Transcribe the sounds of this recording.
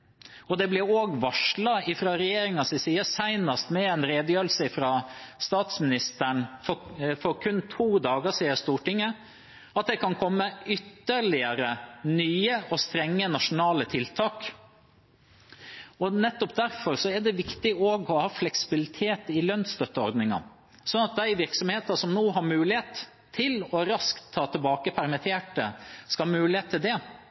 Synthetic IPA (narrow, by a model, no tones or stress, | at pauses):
ɔd̪ɛblɪɾoːɡʋɑʂɭɑɪfɾɑːɾɛjeːɾɪŋɑsɪsiːəsæɪnɑst̪mɛɛnɾeːd̪jøːlsəɪfɾɑːst̪ɑːt̪smɪnɪst̪əɳfɔfɔɾkʰʉnːt̪ʰuːd̪ɑːɡəsiːəst̪uːʈɪŋːə | ɑt̪̚d̪ɛkʰɑnkʰɔmːəʏt̪ːəɾɭɪəɾənyːəʔɔst̪ɾɛŋːənɑʂʊnɑːlət̪ʰɪlt̪ʰɑːk | ɔnɛt̪ːɔpd̪æɾfɔɾsɔɛɖɛʋɪkt̪ɪoːɡɔhɑːflɛksɪ̥bɪlɪt̪ʰeːt̪ɪlœnst̪œt̪ːəɔ̰ɾd̪nɪŋɑ̰ | sɔnɑt̪̚d̪æɪʋɪɾksɔmheːt̪əsɔmnoːɦɑɾmʉːlɪheːt̪ʰː | ɪlɔɾɑskt̪ʰːɑːt̪ʰəlbɑːkəpʰæɾmɪt̪ʰeːʈəskɑmʉːlɪheːt̪ʰːɪld̪ɛ